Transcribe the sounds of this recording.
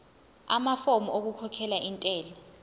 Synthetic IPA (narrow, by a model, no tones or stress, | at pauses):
amafomuok̬ukʰɔkʰɛlaʔintʼɛːlɛ